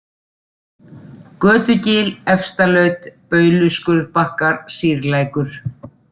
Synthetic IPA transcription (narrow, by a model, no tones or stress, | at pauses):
kœːt̪ʏcɪːlɛfst̪alœɥt̪pœːɥlʏskʏɾðpahkaɾ̥siːɾlaːjkʏɾ̥